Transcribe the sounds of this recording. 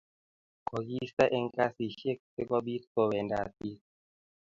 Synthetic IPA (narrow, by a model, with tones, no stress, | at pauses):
kɔ˨ɡi˦sta˦ʔɛ˦ŋ˦ka˦si˨ʃe˦˨k̚se˦kɔ˦bi˦t̚kɔ˨wɛ˨nda˨pi˦